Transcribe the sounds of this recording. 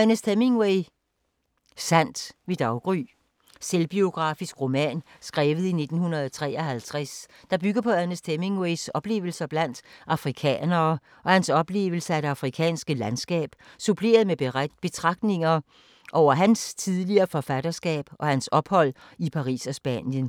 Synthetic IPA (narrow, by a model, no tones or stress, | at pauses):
ænəsd̥ʰeme̝ŋweɪ | sæn̰d̥ʋe̝d̥ɑ̈ʊɡ̥ʁy | selb̥io̝ɡ̥ʁɑ̈ːfisɡ̥ʁo̝mɛ̰ːnsɡ̥ʁɛːʋð̞̩ˠine̝d̥n̩hunɐðˠt͡sʰʁɛ̰ːɐɦælt͡sʰʁasd̥ɑ̈b̥yɡ̥ɐpʰɒ̽ænəsd̥ʰeme̝ŋweɪsɒ̽b̥le̝̰ːʊl̩sɐb̥læn̰d̥ʔɑ̈fʁikʰɛ̰ːnɐː | ʔɒ̽hænsɒ̽b̥le̝̰ːʊl̩səæd̥e̝ɑ̈fʁikʰɛ̰ːnsɡ̥əlænsɡ̥ɛ̰ːb̥supʰle̝̰ːɐð̞̩ˠmeb̥e̝t͡sʰʁɑ̈ɡ̥d̥ne̝ŋɐ | ʔɒʊ̰ɐɦænst͡sʰiðˠliɐːfɒ̽fæɾ̥ɐsɡ̥ɛ̰ːb̥ʔɒ̽hænsɒ̽b̥hɒ̽l̰ | ipʰɑ̈ʁḭːsɒ̽sb̥æ̰njən